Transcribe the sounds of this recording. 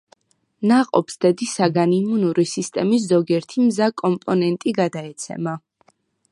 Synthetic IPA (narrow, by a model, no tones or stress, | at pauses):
naqʼɔ̰psd̪̥ɛd̪isaɡanimunuɾisist̪ʼɛmis̬zɔɡiɛɾt̪ʰimzakʼɔmpʼɔnɛnt̪ʼiɡad̪aɛt̪sʰɛ̰ma